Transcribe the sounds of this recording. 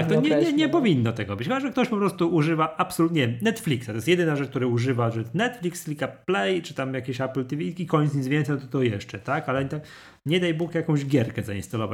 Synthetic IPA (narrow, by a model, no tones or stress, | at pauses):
k̚t̪ɔɲɛɲɛɲɛpɔvʲinːɔt̪ɛɡɔbɘt͡ɕxɔt͡ɕaʐbɘkt̪ɔɕpɔpɾɔst̪uʔuʐɘvaʔapsɔlut̪ɲɛmnɛt̪flʲiksat̪ɔjst̪jɛd̪ɘnaʐɛt͡ʂk̚t̪uɾɛuʐɘvaʐɛɛst̪nɛt̪flʲikslʲikaplɛjt͡ʂɘt̪amjakʲeɕaplt̪ivʲikʲikɔɲɛt̪sɲit̪zvʲɛnsɛjnɔt̪ɔt̪ɔjɛʂt͡ʂɛt̪akalɛɲt̪a | ɲɛd̪ajbukjakɔ̃ʑɡʲjɛɾkɛzainst̪alɔvat͡ɕ